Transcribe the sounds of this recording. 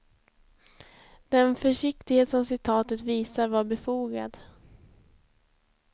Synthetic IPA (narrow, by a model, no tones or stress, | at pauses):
d̪̥ɛnfœʂɪk̚t̪ɪɡheːt̪sɔmsɪt̪ʰɑːt̪ət̪viːsaɾvaːɾbɛfuːɡa̰d̪